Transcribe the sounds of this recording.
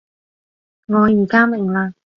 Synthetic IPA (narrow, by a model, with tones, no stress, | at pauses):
ŋɔː˨˧jiː˨˩kaː˥mɪ˨˩ŋlaː˧